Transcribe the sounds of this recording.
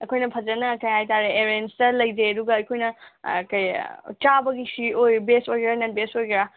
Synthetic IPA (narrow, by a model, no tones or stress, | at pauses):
ɐkʰojnɐpʰɐd͡ʒɐnɐkɐjhajtaɾeeɾenstɐlɐjd͡ʒeɐduɡɐɐjkʰojnɐ̰kɐj̰t͡ʃabɐɡisiojbesojɡɾananbesojɡɾa